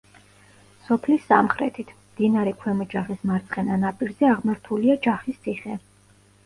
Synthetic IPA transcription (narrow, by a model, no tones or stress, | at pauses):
sɔpʰlisːa̰mχɾɛ̰t̪ʰit̪ʰmd̪̥inaɾɛkʰwɛmɔd͡ʒaχismaɾt̪sʼqʼɛnanapʼiɾzɛaʁmaɾt̪ʰuliad͡ʒaχist̪sʰiχɛ